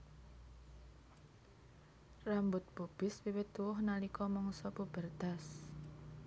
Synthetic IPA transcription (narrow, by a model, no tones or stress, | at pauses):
rambʊt̪̚bob̥ɪswiwɪt̪ːuwʊhnalikɔmɔŋsɔbub̥ərd̪̥a̤s